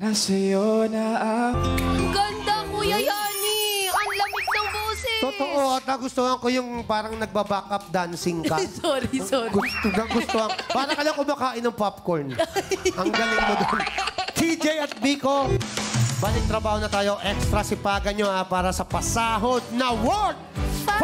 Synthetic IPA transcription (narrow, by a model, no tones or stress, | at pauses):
ɐsɐjonaʔaɐɡɐnd̪ɐmʊjɐjaːniɐnlɐmɪt̪̚nɐŋbuːsɪt̪ot̪oʔoʔɐt̪̚nɐɡʊst̪ohɐŋkojʊŋpaːɾɐŋnɐɡ̚bɐbaːkɐp̚d̪ansɪŋkɐsoɾioɡt̪dɐŋɡʊst̪ohɐŋpaːɾɐkɐlaŋʊmaːkaːʔɪnɐŋpapkoɹnʔɐŋɡɐlɪŋmod̪ont̪ʰid͡ʒɛjɐt̪̚biːko | baːlɪk̚t̪ɾɐbaːhonɐt̪aːjoʔɛkst̪ɾɐsɪpaːɡɐnɲoʔapaːɾɐsɐpɐsaːɦod̪̚nɐwod̪̚